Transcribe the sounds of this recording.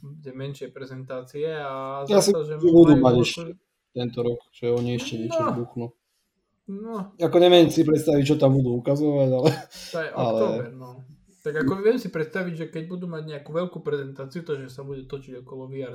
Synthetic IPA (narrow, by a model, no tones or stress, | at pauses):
budɛmɛnʃɪɛpɾɛzɛnt̪aːt͡siɛazjasiʒɛmbud̪umaɟɛʃcɛ | t̪ɛnt̪ɔɾɔkt͡ʃɔɛɔɲiɛʃcɛɲɛt͡ʃɔbuxnu | nɔakɔɲɛʋɛmsipɾɛt̪st̪aʋict͡ʃɔt̪ambud̪uːukazɔʋaɟalɛɔɛʔɔalɛɛnɔ | t̪aɡakɔʋɪɛmsipɾɛt̪st̪aʋiɟʒɛkɛɟ̚bud̪umaɟɲɛakuʋɛlkupɾɛzɛnt̪aːt͡siut̪ɔʒɛsabuɟɛt̪ɔt͡ʃiɟɔkɔlɔʋia